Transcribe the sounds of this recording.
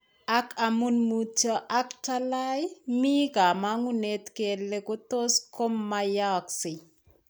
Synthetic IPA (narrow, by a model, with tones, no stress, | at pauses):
a˦kʰamu˦nmut͡ʃɔ˦ʔa˦kta˦la˦jmi˦ka˨ma˦ŋu˦ne˦t̪ke˨lːe˦ko˦to˦sko˦mːa˦ja˦ksɪ˨